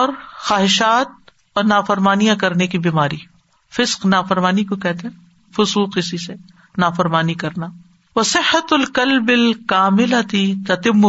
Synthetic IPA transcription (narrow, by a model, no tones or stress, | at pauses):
ɔːɾxaːɦɪʃaːt̪̚ | ɔːɾnaːfɐɾmaːnijãkɐɾnekibiːmaːɾi | fɪsqnaːfɐɾmaːnikokɛɦt̪eɦɛ̃ | fʊsuːqɪsise | naːfɐɾmaːnikɐɾna | ʋɐsɪhːɐt̪lkɐlbɪlkaːmɪlɐt̪it̪ɐt̪ɪmːʊ